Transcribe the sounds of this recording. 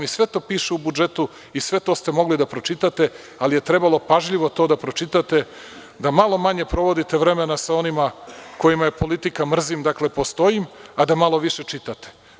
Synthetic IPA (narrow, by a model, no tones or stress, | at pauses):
misʋe̞t̪o̞ːpiːʃeubud͡ʒe̞t̪u | isʋe̞t̪ost̪e̞mo̞ɡlid̪apɾo̞t͡ʃit̪at̪e̞ | alije̞t̪ɾe̞balˠo̞paʒʎiʋo̞t̪o̞ːd̪apɾo̞t͡ʃit̪at̪e̞ | d̪amalˠo̞maɲe̞pɾo̞ʋo̞d̪it̪eʋɾe̞menasao̞nimako̞jimaje̞po̞lit̪ikamr̩zimd̪akle̞post̪o̞imad̪amalo̞ʋiʃe̞t͡ʃit̪at̪e̥